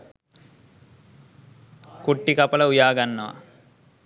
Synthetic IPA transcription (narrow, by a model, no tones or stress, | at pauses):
kuʈːikɐpɐlɐujaːɡɐnːɐʋɐ̰